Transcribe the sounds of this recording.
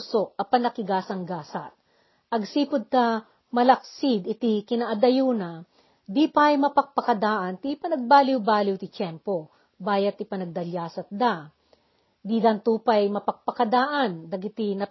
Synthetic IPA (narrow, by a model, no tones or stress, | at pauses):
soʔɐpɐnɐkɪɡaːsɐŋɡaːsɐt̪̚ | ʔɐɡsiːpʊd̪̚t̪ɐ | mɐlɐk̚sɪd̪ɪt̪ikɪnaʔɐd̪ɐjuːnɐ | d̪ipɐjmɐpɐk̚pɐkɐd̪aːʔɐnt̪ipɐnɐɡ̚baːlɪwbaːlɪwt̪ɪt͡ʃɛmpo | baːjɐt̪ːɪpɐnɐɡ̚d̪ɐljaːsɐt̪̚d̪a | d̪id̪ɐnt̪uːpɐjmɐpɐk̚pɐkɐd̪aːʔɐnd̪ɐɡɪt̪inɐ